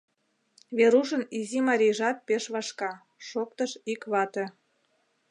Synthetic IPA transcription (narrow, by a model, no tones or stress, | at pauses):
βeɾuʃənizimɑɾʲijʒɑt̪̚peʃβɑʃkɑ | ʃok̚t̪əʃikβɑt̪ĕ